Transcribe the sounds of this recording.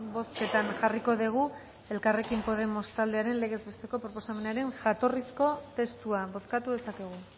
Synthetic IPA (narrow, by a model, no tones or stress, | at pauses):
bo̞ske̞t̪anʝariko̞ðiɣ̞u | e̞lkare̞kimpo̞ð̞e̞mo̞st̪ald̪eaɾe̞nle̞ɣ̞e̞zβest̪e̞ko̞pɾo̞po̞same̞naɾe̞ŋʝat̪o̞risko̞t̪e̞st̪uaβo̞skat̪uðe̞sakeɣ̞u